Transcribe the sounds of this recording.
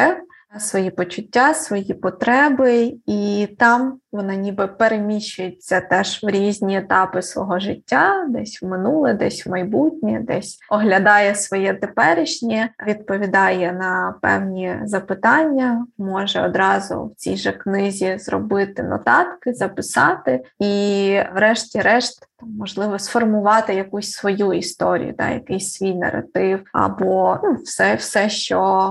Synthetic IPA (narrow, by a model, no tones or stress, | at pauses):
ɛw | sʋɔjipɔt͡ʃʊtʲːasʋɔjipɔt̪ɾɛbɪit̪ɑmʋɔnɑnʲibɛpeɾemʲiʃːʊjɪt͡sʲːɐt̪ɛʒwɾʲizʲnʲiet̪ɑpɪsʋɔ̰ɦɔʒɪtʲːad̪ɛsʲwmɪnulˠɪd̪ɛsʲwmɐjbutʲnʲid̪ɛsʲɔɦlʲɐd̪ɑjɛsʋɔjɛt̪epɛɾɪʃnʲiʋʲid̪̚pɔʋʲid̪ɑjɛnɐpɛ̰wnʲizɐpɪt̪ɑnʲːɐmɔʒɛɔd̪ɾɑzʊ̰wt͡sʲijʒɛknɪzʲizrɔ̰bɪt̪ɪnɔ̰t̪ɑt̪kɪzɐpɪsɑt̪ɪiʋɾɛʃtʲiɾɛʃt̪t̪ɑmːɔʒlˠɪʋɔsfɔrmʊʋɑt̪ɪjɐkusʲsʋɔjuist̪ɔɾʲḭjʊ̰d̪ɑ̰jɐ̰kɪsʲsʲʋʲijnɐ̰ɾɐ̰t̪ɪwɐ̰bɔnufsɛwsɛʃt͡ʃɔ